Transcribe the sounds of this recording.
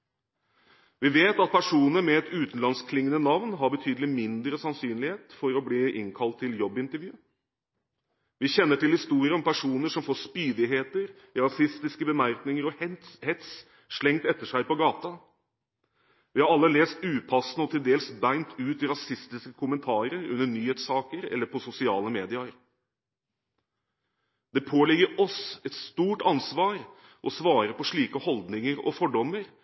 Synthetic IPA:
ʋɪʋeːt̪ɑt̪̚pʰæʂuːnəɾmɛɛt̪ʉːt̪n̩lɑnskʰlɪŋːənənɑʋnɦɑbət̪ʰyːd̪əlɪmɪnd̪ɾəsɑnsyːnlɪheːt̪fɔɾɔbliːʔɪ̰ŋkʰɑlt̪ʰːɪljɔbːɪnt̪əɾʋjʉː | ʋɪçɛnːəʈɪlhɪst̪uːɾɪəɔmpʰæʂuːnəʂɔmfoːʂpyːd̪ɪɦeːt̪əɾ | ɪɾɑsɪst̪ɪskəbəmæɾknɪŋəɾɔhɛt̪s | ʂlɛŋt̪ɛt̪ːəʂæɪpɔɡɑːt̪ɑ | ʋɪhɑɾɑlːəleːst̪ʉːpʰɑsnəɔt̪ʰɪld̪eːlsbæɪnt̪ʰʉːt̪ɪɾɑsɪst̪ɪskəkʰʊmənt̪ʰɑːɾəɾʉ̰nːəɳyːheːt̪sɑːkəɾɛ̰lːəɾpʰɔsʊsɪɑːləmeːd̪ɪəɾ | d̪̥ɛpʰoːlɪɡːəɾɔsɛt̪st̪uːʈɑnsʋɑːɾ | ʔɔsʋɑːɾəpɔʂɭiːkəhɔld̪nɪŋəɾɔ̰fɔɖɔmːəɾ

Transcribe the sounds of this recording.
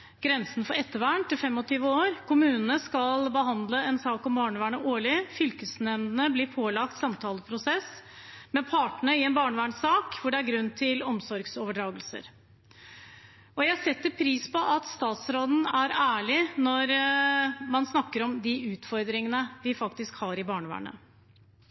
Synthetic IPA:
ɡ̥ɾɛnsənfɔɾɛt̪ːəʋæːɳt̪ɪlfɛmːɔt̪ʰyːʋəoːɾkʊmʉːnənəskɑlbəɦɑnd̪ləɛnsɑːkɔmbɑːɳəʋæːɳəʔoːɭɪfʏlkəsnɛmd̪ənəblɪːpʰoːlɑkt̪sɑmt̪ʰɑːləpʰɾʊsɛsmɛpʰɑːʈəɳəɪɛnbɑːɳəʋæːɳsɑːkʋʊɖɛæɾɡɾʉnːt̪ʰɪlɔmsɔɾɡsoːʋəɖɾɑːɡəlsə̰ɾ | ɔjæɪsɛt̪ːəɾpʰɾiːspɔʔɑt̪st̪ɑːt̪sɾoːd̪n̩æɾæːɭɪnɔɾ | mɑnsnɑkːəɾɔmd̪ɪʉːt̪fɔɾd̪ɾɪŋənəʋɪfɑkt̪ɪskhɑɾɪbɑːɳəʋæ̰ːɳə̰

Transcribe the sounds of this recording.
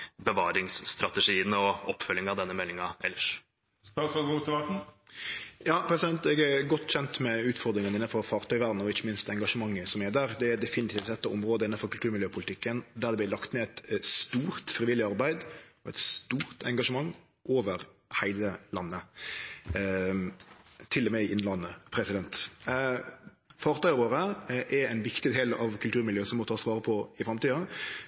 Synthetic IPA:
bəʋɑːɾɪŋsːt̪ɾɑt̪ɛʂiːənəɔɔpːfœlːɪŋɑʋd̪ɛnːəmɛlːɪŋɑʔɛ̰lːəʂ | st̪ɑːsɔɡut̪ːɪʋɑʈ̩ | jɑːpʰɾɛsɪd̪ɛnt̪ɛɡæɾɡɔt̪ːçɛnt̪mɛʉːt̪fɔɾd̪ɾɪŋənɪnːənfɔɾfɑːɾt̪ʰœʏʋæɾd̪n̩ɔɪçːəmɪnst̪ɛŋɡɑʂəmɑŋːəsɔmɛd̪æɾd̪ɛæd̪ɛfɪnɪt̪ɪːʋt̪sɛt̪ːɑɔmɾoːd̪əɪnːənfɔɾkʉlt̪ʰʉːɾmɪljøːpʰʊlɪt̪ɪkːənd̪æɾd̪ɛb̪ɪlɑkt̪mɛːæɪt̪st̪uːɾt̪fɾɪʋɪlːɪɑɾbæɪd̪ɔɛt̪st̪uːɾt̪ʰɛŋɡɑʂəmɑŋː | ʔoːʋəɾhæɪləlɑnːə | t̪ʰɪlːɔmɛɪʔɪnːlɑnːəpʰɾɛsɪd̪ɛnt̪ | fɑːɾt̪ʰœʏʁoːɾəʔɛɾæɪnʋɪkt̪ɪd̪eːlɑ̰ʋkʰʉlt̪ʉːɾmɪljøːsɔmːɔt̪ʰɑːsʋɑːɾəpʰɔɪfɾɑmt̪iːɑ

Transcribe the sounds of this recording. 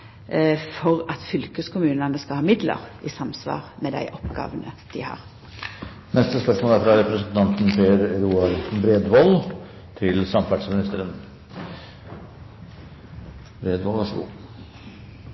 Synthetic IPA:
fɔʁɑt̪fʏlkəskʰʊmʉːnənəskɑhɑːmɪd̪lə̰ʁɪsɑmsʋɑ̰ːʁmɛd̪æ̰ɪʔɔpɡɑ̰ːʋənəd̪̥ɪhɑ̰ːʁ | nɛst̪əspœʂmoːlæɾfɾɑɾɛpɾəsənt̪ʰɑnt̪n̩pʰeːəɾɾuːɑɾsnbɾeːd̪ʋɔl | t̪ʰɪlsɑmæʈsmɪnɪst̪əɾən | bɾeːd̪ʋɔlʋɑʂəɡṵː

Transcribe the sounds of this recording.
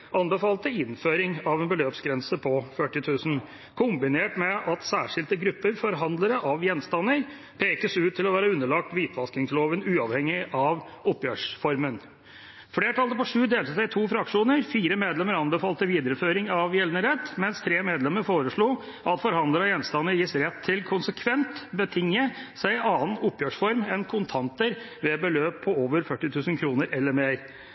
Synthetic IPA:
ʔɑnbəfɑːlt̪əɪnføːɾɪŋɑʋɛnbəløːpsɡɾɛnsəpʰɔfœʈːɪt̪ʰʉːsn̩ | kʰʊmbɪneːʈmɛʔɑt̪sæːʂɪlt̪əɡɾʉpːəɾfɔɾɦɑnd̪ləɾəʔɑʋjɛnːst̪ɑnːəɾ | pʰeːkəsʉːt̪ʰːɪlɔʋæːɾəʉnːəɭɑk̚t̪ʋiːt̪ʰʋɑsk̪ɪŋsloːʋənʉːɑʋhɛŋːɪʔɑʋ | ɔpːjøːʂfɔɾmən | fleːʈʰɑld̪əpɔʂʉːd̪eːlt̪əsæɪt̪ʰuːfɾɑkʂuːnəɾfiːɾəmeːd̪lɛməɾɑnbəfɑːlt̪əʋiːd̪əɾəføːɾɪŋɑʋjɛlnəɾɛt̪ːmɛnst̪ʰɾeːmeːd̪lɛmːəɾfoːɾəʂɭuː | ʔɑt̪fɔɾhɑnd̪ləɾəjɛnst̪ɑnːəɾjɪsɾɛt̪ʰːɪlkʰʊnsəkʰʋɛnt̪bət̪ʰɪŋːəsæɪɑːənʊpːjøːʂfɔɾmɛnkʰʊnt̪ʰɑnt̪əɾ | ʋɛbəløːpʰːɔoːʋəɾfœʈːɪt̪ʰʉːsnkʰɾuːnəɾʔɛlːəɾmeːɾ

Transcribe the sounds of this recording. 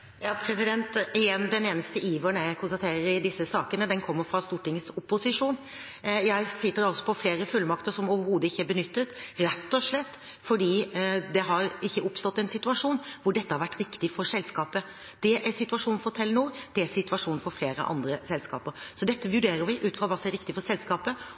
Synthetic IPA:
jɑːpʰɾɛsɪd̪ɛnt̪ɛnd̪ɛneːnəst̪əʔiːʋəɳækʰʊnst̪ɑt̪ʰeːɾəɾɪd̪ɪsːəsɑːkənəd̪ɛnkʰɔmːəɾfɾɑst̪uːʈɪŋəsʊpːʊsɪʂuːn | jæɪsɪt̪ːəɾɑlsɔ̥pʰɔfleːɾəfʉlːmɑkt̪əɾʂɔmoːʋəɾhuːd̪əɪçːəæbənʏt̪ːət̪ɾɛt̪ːɔʂlɛt̪ː | fɔɖiːd̪ɛɦɑɾɪçːəʔʊpst̪ɔt̪ːɛnsɪt̪ʉɑʂuːnʋʊɖɛt̪ːəhɑɾʋæʈːɾɪkt̪ɪfɔɾsɛlskɑːpə | d̪̥ɛʔæɾsɪt̪ʉʋɑʂuːn̩fɔɾt̪ʰɛlːənuːɾd̪̥ɛæɾsɪt̪ʉʋɑʂuːnfɔɾfleːɾə̰ʔɑ̰nd̪ɾəsɛlskɑ̰ːpəɾsɔd̪ɛt̪ːəʋʉɖeːɾəɾʋɪʔʉːt̪fʁɑʋɑːsɔmɛɾɪkt̪ɪfɔɾsɛlskɑːpə

